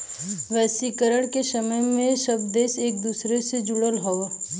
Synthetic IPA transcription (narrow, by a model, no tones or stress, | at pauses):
ʋɛːsikəɾəɽ̃kesəməjmẽʃɐbd̪eːseːk̚d̪uːsɾesed͡ʒʊɽəlɦo